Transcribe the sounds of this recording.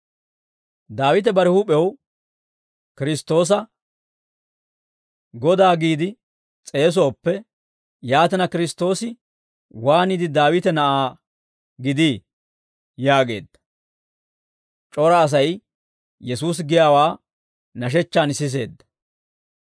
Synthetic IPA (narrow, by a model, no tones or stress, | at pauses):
d̪aːwɪt̪ɛbɐɾɪhupɛw | kɪɾɪst̪o̞ːs̬ɐ | ɡɔd̪aːɡiːd̪ɪ | t͡sʼe̞ːs̬ɔːpːɛ | jaːt̪ɛnɐkɪɾɪst̪o̞ːsɪ | waːniːd̪ɪd̪aːwɪt̪ɛnɐʔaː | ɡɪd̪iː | jaːɡe̞̰ːd̪ːɐ | t͡ʃʼɔɾɐːs̬ɐj | jɛsuːs̬ɡɪjaːwaː | nɐʃ̬ɛt͡ʃːaːnsɪs̬e̞ːd̪ːɐ̥